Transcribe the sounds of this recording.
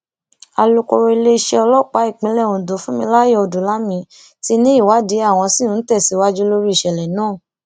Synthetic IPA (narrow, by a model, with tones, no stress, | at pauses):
a˧lo˧ko˧ɾo˧i˧le˦˧ʃɛ˧ɔ˧lɔ˦˨k͡pa˨˦i˦˨k͡pĩ˨˦lɛ˦˨wũ˨do˨˦fũ˦mĩ˧la˦je˧o˧du˨˦la˦mĩ˧˦ | ti˧nĩ˦i˦˨wa˨˦di˨˦a˦˨w̃ɔ̃˧si˦˨nũ˨˦n̩˦tɛ˦˨si˨˦wa˦d͡ʒu˦lo˦ɾi˦i˦˨ʃɛ˨lɛ˨nãː˦˨